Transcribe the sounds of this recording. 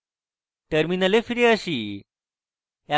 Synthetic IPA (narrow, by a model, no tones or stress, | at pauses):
ʈəɾminəlefiɾeəɕiː | ja